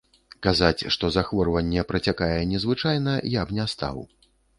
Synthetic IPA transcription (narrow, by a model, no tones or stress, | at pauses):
kazat͡sʲʂt̪ɔzaxvɔrvɐnʲːɛpɾɐt͡sʲakajɛnʲɛzvɨt͡ʂajnɐjabnʲast̪a̰w